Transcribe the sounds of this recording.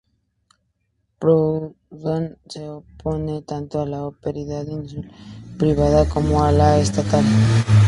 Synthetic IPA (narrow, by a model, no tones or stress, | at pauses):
pɾo | vanseopo̞ne̞t̪ant̪oalaopeɾiðaðinsulpɾiβ̞aðako̞moalaest̪at̪al